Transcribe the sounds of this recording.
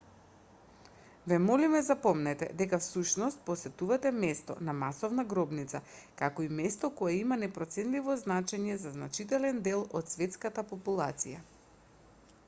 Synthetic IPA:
vɛmɔlimɛzapɔmnɛt̪ɛ̰d̪ɛkafsuʃnɔst̪̚pɔsɛt̪uvat̪ɛmɛst̪ɔ̰namasɔvnaɡɾɔbnit̪sakakɔimɛst̪ɔkɔɛimanɛpɾɔt̪sɛnt̪livɔznat͡ʃɛɲɛzaznat͡ʃit̪ɛlɛnd̪ɛlˠɔt̪svɛt̪skat̪apɔpulˠat̪sija

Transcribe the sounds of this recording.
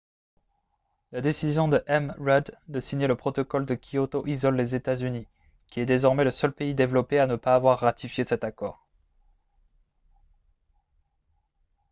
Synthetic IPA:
lad̪esizjɔ̃d̪əʔɛmʁɛd̪d̪əsiɲeləpχɔt̪ɔkɔld̪əkʲiot̪oʔizɔlːezet̪azyni | kʲiɛd̪ezɔʁmɛləsœlpeid̪evlɔpeanəpaːvwaʁːat̪ifjesɛt̪akɔːʁ

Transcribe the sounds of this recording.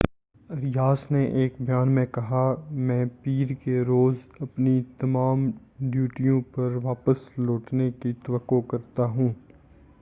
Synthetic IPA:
ɐɾɪjaːsneʔeːkbʱɐjaːnmẽkɐɦamɛ̃ːpiːɾkeɾoːzɐpnit̪ɐmaːm | ɖjuːʈijõpɐɾʋaːpəsloːʈnekit̪ɐʋəkːokɐɾt̪aɦũː

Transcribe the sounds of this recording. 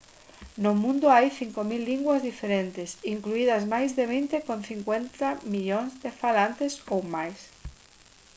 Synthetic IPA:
nʊmũnd̪oajθiŋkomilːiŋɡwazðifeɾẽnt̪esiŋkluiðazmajzðeβ̞int̪ekõn̟θiŋkwent̪amiʎõŋzðefalant̪esowmajs

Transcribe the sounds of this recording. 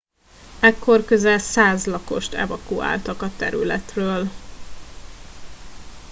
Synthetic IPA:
ɛkːo̞rkøzɛlsaːzlɒko̞̰ʃt̪ʰɛ̰vɒkua̰ːlt̪ɒkɒt̪ɛɾy̰lɛt̪røːl

